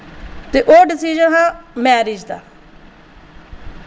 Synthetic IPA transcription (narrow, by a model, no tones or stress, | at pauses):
t̪eːʔoːɖɪsid͡ʒənɦãːmɛːɾɪd͡ʒd̪aː